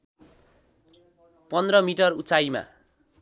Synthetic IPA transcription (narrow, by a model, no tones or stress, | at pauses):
pʌnd̪rʌmiʈʌrut͡sajma̰